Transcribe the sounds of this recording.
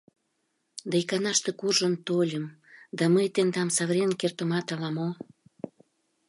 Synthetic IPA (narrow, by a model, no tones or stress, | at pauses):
d̪ɑjkɑnɑʃt̪ekurʒənt̪olʲəmd̪ɑməjt̪end̪ɑmsɑβɾʲenkert̪ə̆mɑt̪ɑlɑmo